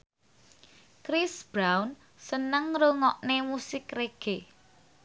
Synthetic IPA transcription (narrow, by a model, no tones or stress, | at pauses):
kɾisb̥ɾawn | sənəŋɾuŋɔʔnemusɪkreɡ̥e